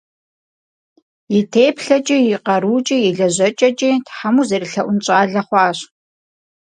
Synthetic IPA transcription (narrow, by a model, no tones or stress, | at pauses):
jɪtʰeːpɬɐt͡ʃʼijiqɐɾuːt͡ʃʼijɪɮɐʑɐt͡ʃʼɐt͡ʃʼiːtħamuzɐɾiɬɐʔʷʊnt͡ʃʼaːɮɐχʷɑːɕ